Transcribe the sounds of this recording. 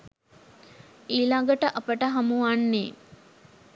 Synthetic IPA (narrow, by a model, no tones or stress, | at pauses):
iːlaɡəʈəʔapəʈəɦamuʋanːe